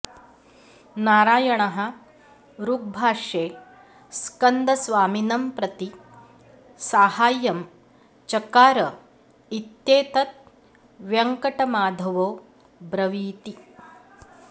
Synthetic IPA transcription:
naːɾaːjɐɳɐɦɐ̆ | ɾuk̚bʱaːʂeː | skɐnd̪ɐsʋaːminɐmpɾɐt̪i | saːhaːjɐm | t͡ʃɐkaːɾɐ | it̪jeːt̪ɐt̪̚ | ʋjɐŋkɐʈɐmaːd̪ʱɐʋoː | bɾɐʋiːt̪i

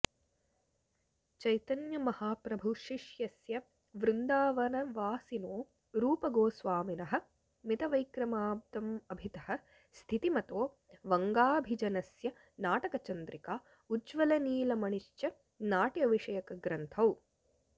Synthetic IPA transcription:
t͡ʃɐjt̪ɐnjɐmɐhaːpɾɐbʱuʃiʂjɐsjɐ | ʋɾund̪aːʋɐnɐʋaːsinoː | ɾuːpɐɡoːsʋaːminɐɦɐ̆ | mit̪ɐʋɐjkɾɐmaːb̚d̪ɐmɐbʱit̪ɐhɐ̆ | st̪ʰit̪imɐt̪oː | ʋɐŋɡaːbʱid͡ʒɐnɐsjɐ | naːʈɐkɐt͡ʃɐnd̪ɾikaː | ud͡ʒʋɐlɐniːlɐmɐɳiʃt͡ʃjɐ | naːʈjɐʋiʂɐjɐkɐɡɾɐnt̪ʰɐw

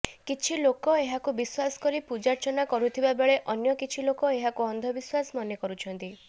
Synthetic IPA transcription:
kit͡ʃʰilokɔeɦakubiswasɔ̥kɔɾipud͡ʒaɾt͡ʃɔnakɔɾut̪ʰibabeɭeʔɔnjɔkit͡ʃʰilokɔeɦakuɔnd̪ʱɔbiswasɔmɔnjɔkɔɾut͡ʃʰɔnt̪i

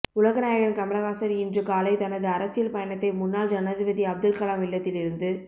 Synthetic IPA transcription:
ʊlɐɣɐnaːjɐɣɐɭkɐmɪɭɐɣaːsɐɾiɪndrɯkaːlɐɪt̪ɐnɐðɯɐɾɐsɪjɐlpɐjɐɳɐt̪ːɐɪmʊnːaːld͡ʒɐnɐðɪbɐðiɐb̚d̪ɐlkɐlaːmɪlːɐt̪ːɪlɪɾɯnd̪ɯ

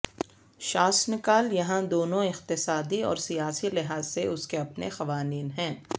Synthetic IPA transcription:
ʃaːsnɪkaːljɐɦãd̪oːnõɪqt̪ɪsaːd̪iɔ̰ːɾsijaːsilɪɦaːzseʔʊskeɐpnḛxɐʋaːniːnɦɛ̃ː

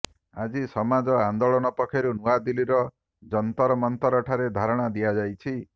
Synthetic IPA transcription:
ad͡ʒisɔmad͡ʒɔand̪oɭɔñɔpɔkʰeɾunuad̪iliɾɔ | d͡ʒɔnt̪ɔɾɔmɔnt̪ɔɾɔʈʰaɾed̪ʱaɾɔɽ̃ad̪ijad͡ʒajt͡ʃʰi

